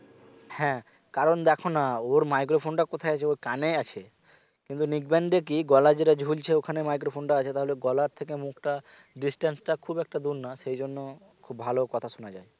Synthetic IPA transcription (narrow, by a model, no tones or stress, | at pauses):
hɛ̃ | kaɾond̪ɛkʰonaoɾmajk̬ɾopʰonʈakot̪ʰaeat͡ɕʰeoɾkaneat͡ɕʰe | kint̪unikbɛɳɖek̬iɡɔlad͡ʑeʈad͡ʑʱult͡ɕʰeokʰanemajk̬ɾofʰonʈaat͡ɕʰet̪aɦoleɡɔlaɾt̪ʰekemukʈa | ɖisʈensʈakʰubɛk̚ʈad̪uɾnaʃejd͡ʑonːo | kʰubbʱalokɔt̪ʰaʃonad͡ʑae